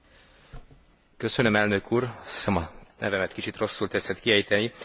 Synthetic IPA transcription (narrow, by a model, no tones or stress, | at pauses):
kø̞sønømɛlnø̞kʰuːrɒsi̥sɛmɒnʔɛ̰vɛmɛt̪kit͡ʃit̪ro̞sːult̪ɛsɛt̪kiɛjiːt̪ɛni